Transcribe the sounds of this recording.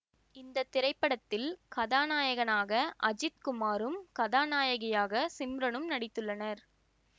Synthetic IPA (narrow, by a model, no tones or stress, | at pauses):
ɪnd̪ɐt̪ːɪɾɐɪpːɐɽɐt̪ːɪlkɐðaːnaːjɐɣɐnaːɣɐʔɐd͡ʒɪt̪̚kʊmaːɾɯmkɐðaːnaːjɐɣɐjaːɣɐsɪmɾɐnɯmnɐɽɪt̪ːɯɭːɐnɐɾ